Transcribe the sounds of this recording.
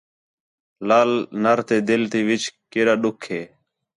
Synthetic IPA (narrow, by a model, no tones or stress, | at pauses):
laːlnəɾt̪eːd̪ɪlt̪iːʋɪt͡ʃkɪːɾaːɗʊkʰɦeː